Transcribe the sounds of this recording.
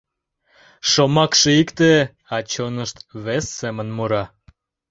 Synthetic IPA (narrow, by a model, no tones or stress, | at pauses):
ʃomɑkʃeikt̪e | ɑt͡ɕonəʃt̪βesːemənmuɾɑ